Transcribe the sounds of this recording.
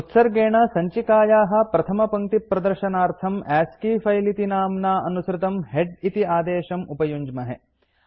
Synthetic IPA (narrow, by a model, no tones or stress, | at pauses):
ut̪sɐɾɡeːɳɐsɐɲt͡ʃikaːjaːɦɐ̆pɾɐt̪ʰɐmɐpɐŋt̪ipɾɐd̪ɐɾʃɐnaːɾt̪ʰɐmæːskiːfɐjlit̪inaːmnaːʔɐnusɾɪt̪ɐmɦeɖit̪iaːd̪eːʃɐmupɐjuɲd͡ʒmɐɦe